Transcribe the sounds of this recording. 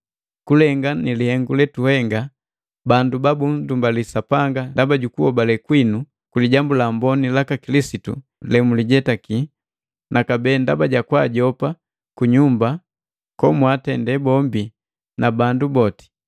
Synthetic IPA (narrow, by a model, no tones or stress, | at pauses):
kulɛŋɡanilihɛŋɡulɛtuhɛŋɡa | bandubabundumbalisapaŋɡandabaɟukuhɔbalɛkwinu | kuliɟambulambɔnilakakilisitṵ | lɛmuliɟɛtaki | nakabɛːndabaɟakwaɟɔpa | kuɲumba | kɔmwatɛndɛbɔmbi | nabandubɔti̥